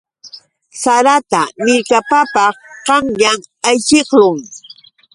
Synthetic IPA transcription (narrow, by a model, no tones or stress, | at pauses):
saɾat̪amɪɾkapapɑχqɑŋʎaŋajʃɪχlʊŋ